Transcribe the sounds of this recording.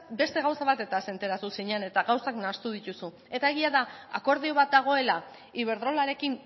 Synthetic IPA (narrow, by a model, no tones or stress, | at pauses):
be̞st̪e̞ɣawsaβat̪e̞t̪ase̞nt̪e̞ɾat̪usiɲane̞t̪aɣawsaknast̪uð̞it̪usu | e̞t̪ae̞ɣiaðaa̰ko̞ɾðio̞βat̪̚d̪aɣ̞o̞e̞la | iβ̞e̞ɾðɾo̞laɾe̞kin